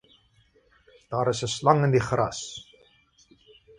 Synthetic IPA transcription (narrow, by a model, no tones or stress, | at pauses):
d̥ɑːɾəsəslɐŋəndiχrɐ̰s